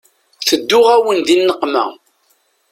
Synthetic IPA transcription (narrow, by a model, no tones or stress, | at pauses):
θəd̪ːʊʁæwənðinːəqːmæ̰